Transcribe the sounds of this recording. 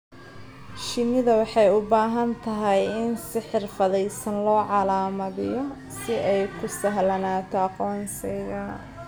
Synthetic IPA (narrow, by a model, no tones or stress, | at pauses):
ʃɪnɪðɐwɑħɑjʊbaːɦɐnt̪ʰɐɦɛjɪnsɪħɪrfɐðɛjsɐnlɔːʕɑlaːmɐðɪjɔ | sɪʔɛjkʰʊsɐɦlɐnaːt̪ʰɔɑqɔːnsɪjɣɐ